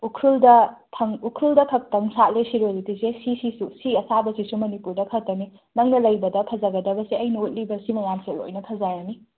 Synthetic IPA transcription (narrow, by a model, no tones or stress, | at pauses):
ukʰɾuldɐtʰɐŋukʰɾuldɐkʰɐk̚tɐŋsat̚lesiɾolitisesisisusiɐsabɐsisumɐnipuɾdɐkʰɐtɐmi | nɐŋnɐlɐjbɐdɐpʰɐzɐɡɐdɐbɐseɐjnɐut̚libɐsimɐjamselo̰jnɐpʰɐzajani